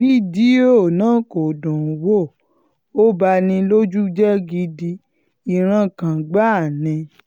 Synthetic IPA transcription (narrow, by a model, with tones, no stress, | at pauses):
i˦˨di˦o˦˨nãː˦ko˨dũ˨wo˦˨ | o˦ba˧nĩ˧lo˦d͡ʒu˦d͡ʒɛ˦ɡi˧di˧ | i˨ɾ̃ã˧kã˨ɡ͡ba˦˨nɛ̃˨˧˨